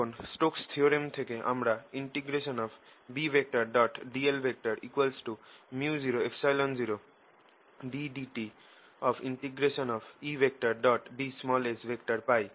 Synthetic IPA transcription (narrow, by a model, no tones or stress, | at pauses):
onsʈokst̪ʰioɾiemt̪ʰekeʔa̰mɾaiɳʈiɡɾeʃɔnɔpʰbibʱek̚ʈaɾɖɔʈɖielbʱek̚ʈaɾikwalsʈumjuziɾoefʰsajlɔnziɾo | ɖiɖiʈi | ɔpʰiɳʈiɡɾesɔnɔpʰibʱek̚ʈaɾɖɔʈɖismɔlesbʱekʈaɾpaj